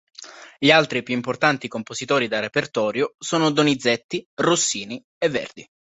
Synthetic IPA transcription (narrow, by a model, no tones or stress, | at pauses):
ʎialt̪ɾipjuimport̪ant̪ikompozit̪ɔːɾid̪arepert̪ɔːɾjosɔːnod̪onid̪zɛt̪ːirosːiːni | evːɛ̰rd̪i